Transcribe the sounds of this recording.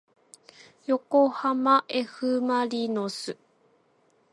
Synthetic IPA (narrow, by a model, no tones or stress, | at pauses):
jo̞kohamaʔe̞ɸɯ̟maɾʲinosɨ